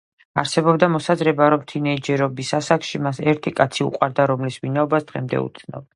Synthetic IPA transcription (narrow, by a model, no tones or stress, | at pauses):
aɾsɛbɔbd̪amɔsazɾɛbaɾɔmt̪ʰinɛid͡ʒɛɾɔbisasakʃimasɛɾt̪ʰikʼat̪sʰiṵqʼwaɾd̪aɾɔmlisvinaɔbasd̪̥ʁɛmd̪ɛ̰ṵt̪sʰnɔ̰b